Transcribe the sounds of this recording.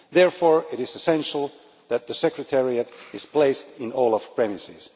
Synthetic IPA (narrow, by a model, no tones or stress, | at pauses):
ðɛɹfɔɹɪɾɪzɨsɛ̃nʃl̩ˠ | ðæt̪̚ðəsɛkɹɨtʰɛɹiɨɾɪz̥pl̥eɪstɪ̃nɔlˠəfpʰɹ̥ɛmɪsɪz̥